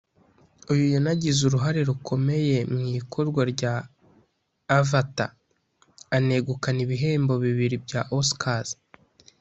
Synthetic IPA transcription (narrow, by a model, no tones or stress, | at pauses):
ujujonaɟizuɾuɦaɾe̞ɾukʰo̞me̞je̞mŋikʰo̞ɾɡwaɾɟa | vata̰ː | ne̞ɡukaniβiɦe̞ːmbo̞βiβiɾibɟaʔoskaz